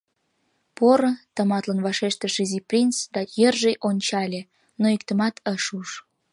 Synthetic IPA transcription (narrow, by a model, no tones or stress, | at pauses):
poɾət̪əmɑt̪lənβɑʃeʃt̪əʃiziprʲint͡sd̪ɑjərʒejʔonʲt͡ɕɑlʲe | noikt̪əmɑt̪ʰəʃuʃ